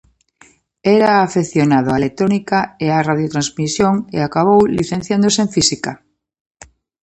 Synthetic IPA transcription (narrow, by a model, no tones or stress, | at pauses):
ɛɾaːfeθjonaðʊaelet̪ɾonikaearaðjot̪ɾãnzmisjoŋḛakaβ̞owlḭθẽn̟θjand̪oseẽɱfisika